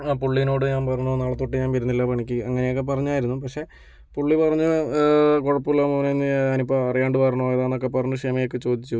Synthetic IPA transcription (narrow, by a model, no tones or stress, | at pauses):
puɭːinoːɽɨɲaːnpɐrɐɲːonaːɭɐt̪ːuʈːiɲaːnʋɐɾunːilːɐpɐɳikʲːiɐŋːɐnejokːepɐrɐɲːaːjiɾunːupɐkʂe̞ | puɭːipɐrɐɲːu | koɻɐpːiɭːoːmɐʋɐnenːiɐnipːɐɐrijaːɳɖɨpɐrɐɳoeðaːnːo̞kːe̞pɐrɐɲːuʂɐmɐjok̬ːɨt͡ɕoːd̪ʱit͡ɕːu